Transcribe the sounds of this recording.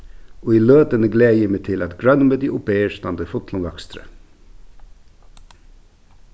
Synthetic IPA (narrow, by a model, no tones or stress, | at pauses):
oːiːløːd̪ənəɡleːjəmet̪ʰɪlɑt̪ɡɹœnməd̪iʔʊpeːəʃt̪ɑnd̪əfʊt̪lʊnd̪ɑkst̪ɾə̰